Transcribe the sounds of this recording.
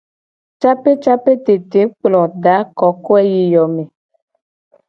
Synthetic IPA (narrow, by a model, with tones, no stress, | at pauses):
t͡ʃa˦pe˦t͡ʃa˦pe˦t̪e˨t̪e˨˦k͡plɔ˨ɖa˨˦kɔ˨˦ko˦ɛ˦ji˨jɔ˨me˨